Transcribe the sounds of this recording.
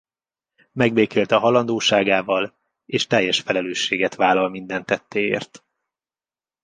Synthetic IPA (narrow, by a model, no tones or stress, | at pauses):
mɛɡbeːkeːlt̪ɒɦɒlɒnd̪oːʃaːɡaːvɒl | eːʃt̪ɛjːɛʃfɛlɛløːʃːeːɡɛt̪ʋaːlːɒlmind̪ɛnt̪ːɛt̪ːeːḛːrt̪